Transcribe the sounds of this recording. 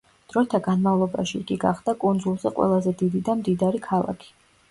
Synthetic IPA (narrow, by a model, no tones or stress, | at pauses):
d̪̥ɾɔɛt̪ʰaɡanmavlˠɔbaʃiɡʼiɡa̰χd̪akʼund̪zulˠzɛqʼwɛ̰lˠazɛd̪id̪id̪amd̪id̪aɾikʰalˠa̰kʰi̥